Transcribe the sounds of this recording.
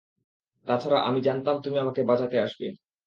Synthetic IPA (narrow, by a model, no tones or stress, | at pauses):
t̪at͡ɕʰaɾaʔa̰mid͡ʑant̪amt̪umiamakebad͡ʑat̪eaʃbḛ